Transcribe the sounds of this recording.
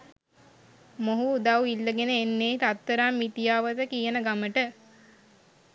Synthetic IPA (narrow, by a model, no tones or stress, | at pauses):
moɦud̪awilːəɡenəːnːeːt̪at̪ːəɾamːit̪ijaːʋət̪əkijənəɡaməʈə